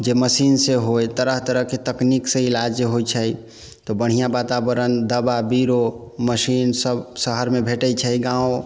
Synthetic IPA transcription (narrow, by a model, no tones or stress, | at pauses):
d͡ʒeməsinseɦojt̪əɾəɦt̪əɾəɦket̪əkniksẽilad͡ʒeɦojt͡ʃʰəj | t̪obəɽ̤ijabat̪abəɾənd̪əbabiɾoməsinsəbsəɦəɾmebʱeʈət͡ʃʰəjɡãwõ